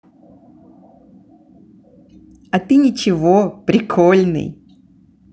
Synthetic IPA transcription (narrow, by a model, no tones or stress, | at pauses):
ɐt̪ɨnʲɪt͡ɕɪvopɾʲɪkʰolʲnɨ̰j